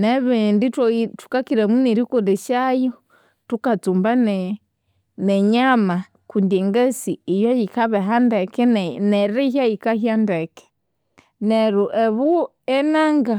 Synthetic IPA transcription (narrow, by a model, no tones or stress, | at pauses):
nɛβɛnditu̥kakiɾɛmuniɾikɔdɛʃajɔ | tukat͡sumbanɛ | nɛɲama | kundiɛŋɡɛsiijɔjikaβɛɦandɛkɛnɛɾiɦajikahjandɛkɛ̥ | nɛɾuʔɛβu | ɛnaŋɡa